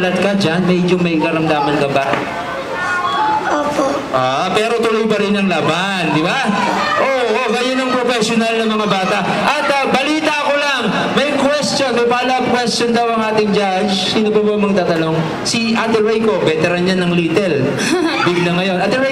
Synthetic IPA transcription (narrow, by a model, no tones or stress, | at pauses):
lɐd̪̚kɐd͡ʒanmɛd͡ʒomɐjkɐɾɐmd̪aːmɐnɡɐbaʔ | ʔoːpoʔʔa | pɛːɾo̞t̪ʊlojpɐɾɪnːɐŋlaba | nd̪ɪba | ʔoːʔoɡɐjonɐŋpɾofɛsjonalnɐmɐŋabaːt̪ɐʔ | ʔɐt̪ | bɐliːt̪ɐɐko̞lɐŋ | mɐjkwɛst̪jonmɐjpaːlɐb̚kwɛstond̪ɐwɐŋʔaːt̪ɪŋd͡ʒa | d͡ʒsiːnʊbɐbɐmɐɡ̚t̪aːt̪ɐno̞ŋ | siʔat̪ɛlɾɛjko̞bɛt̪ɛɾɐnjanɐŋliːt̪ɛl | bɪɡ̚nɐŋɐjo̞nʔat̪ɛwɛ